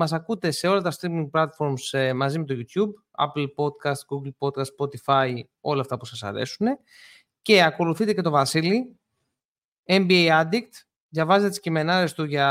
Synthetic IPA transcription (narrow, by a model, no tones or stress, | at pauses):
mɐs̬ɐkut̪e̞se̞o̞lɐt̪ɐst̪ɾimiŋɡ̚plɐt̪fo̞ɾmsmɐzime̞t̪o̞ʝut̪jub | ɐ̰plpo̞d̪kɐst̪ɡuɡlpo̞t̪̚kɐst̪spo̞t̪ifɐj | o̞̰lɐːft̪ɐpusɐsɐ̰ɾe̞̰sune̞ | ce̞ɐko̞luθit̪ece̞t̪ovɐsili | embiejɐd̪ikt̪ | ðʝɐvɐzet̪et̪iscime̞nɐɾe̞st̪uʝɐ